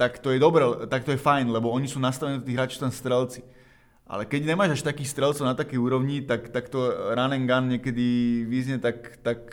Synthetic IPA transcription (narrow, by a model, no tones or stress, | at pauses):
t̪akt̪ɔjɛd̪ɔbɾɛt̪ak̚t̪ɔjɛfajnlɛbɔɔɲisuːnast̪aʋɛnɛd̪ɔt̪iːɦɾaːt͡ʃt̪anst̪ɾɛlt͡si̥ | ʔa̰lɛkɛɟɲɛmaːʒaʃt̪akiːxst̪ɾɛlt͡sɔʊnat̪akɛjuːɾɔʋɲit̪akt̪akt̪ɔɾanɛŋɡanɲɛkɛd̪iʋizɲɛt̪akt̪ak̚